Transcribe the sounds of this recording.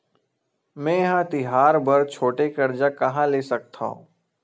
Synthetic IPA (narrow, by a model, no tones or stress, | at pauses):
mɛ̃ːjɐɦãt̪ɪɦaːɾbəɾt͡ʃʰoːʈekɐɾd͡ʒakɐɦãleːsɐk̚t̪ʰã̰õ̰ː